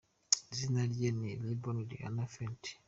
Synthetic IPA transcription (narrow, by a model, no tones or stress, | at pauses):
zinaljenilibonudḭa̰nafɛntʰi̥